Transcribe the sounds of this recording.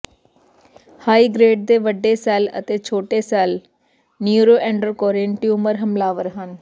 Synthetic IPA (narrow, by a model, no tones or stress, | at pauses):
haːiːɡɾeːɖ̚d̪eːʋəɖːeːsɛːlə̰t̪eːt͡ʃʰoːʈeːsɛːl | njuːɾoːʔɛ̃ːɳɖəɾkɔːɾẽɳʈiːʊməɾɦəmlaːʋəɾɦən